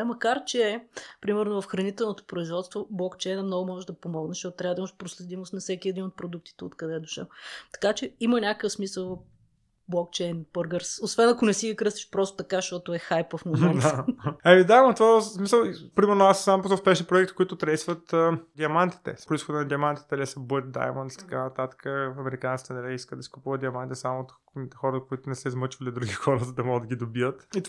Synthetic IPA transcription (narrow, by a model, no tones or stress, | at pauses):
ɐmɐkaɾt͡ʃɛːpɾimɛɾnovɐfxɾɐnit̪ɛlˠnot̪o̥pɾoizvɔt̪st̪voblˠɔkt͡ʃɛjnəmnɔɡʊmɔʒɛʒd̪ɐpomɔɡnəʃtɔt̪t̪ɾʲavɐd̪ɐiməʃpɾoslɛd̪imost̪nɐfsɛkʲiɛd̪inot̪̚pɾod̪uk̚t̪i̥t̪ɛo̰t̪kɐd̪ɛd̪oʃɛ̰lˠt̪ɐ̥kat͡ʃɛimənʲakəkəfsmisəlˠ | blˠɔk̚t͡ʃɛjnbɤɾɡəɾsosvɛnɐkʊnɛsiɡikɾɤst̪iʃpɾɔst̪o̥t̪ɐkaʃt̪ɔt̪oɛxajpəfmomɛntamid̪ajmənt̪vasmisəlˠpɾimɛɾnʊassampozəʊspɛʃnipɾoɛkt̪i̥koit̪ʊt̪ɾɛsvət̪ːd̪iɐmant̪i̥t̪ɛ̰pɾoisxod̪ənɐd̪ʲiɐmant̪it̪ɛlisɐbəɾt̪̚d̪a̰jmnt̪it̪ɐ̥ka̰nɐt̪at̪ə̥kəfɐmɛɾikant̪i̥t̪ɛnɐlʲiiskəd̪d̪ɐsi̥kʊpuvəd̪d̪iɐmãnt̪it̪ɛsamot̪ | it̪xɔɾət̪koit̪ʊnɛsɛizmɤt͡ʃvɐlid̪ɾuɡʲixɔɾəzəd̪ɐmɔɡəd̪ːɐɡʲid̪obijət̪it̪